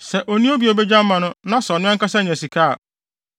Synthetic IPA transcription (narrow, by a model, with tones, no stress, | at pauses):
sɛ˨ʔo˨nĩ˦o˦bi˨o˨be˦d͡ʑa˦m˦mã˨nʊ̃˦nã˦sɔ˨nʊ̃˦ɛ̃˦ŋ˦ka˦sɛ̃˦ɲ˨ɛ̃˨si˨kʰaː˦˨